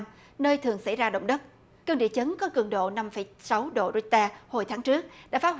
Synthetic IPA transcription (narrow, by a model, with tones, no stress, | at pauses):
nəː˧jt̪ʰɨ˨˩əŋsa˧˩jzaː˧ɗə̰˧˨wŋ͡mɗə˦˥t̚ | kəː˧ŋɗḭ˧˨t͡ɕə˨˦nkɔ˨˦kɨ˧˩əŋɗo̰˧˨na˧mfə˧˩jsa˨˦wɗo̰˧˨zu˧˥t̪aː˧ho˨˩jt̪ʰaː˨˦ŋt͡ɕɨ˦˥ək̚ɗa̰ː˧˥faː˨˦˥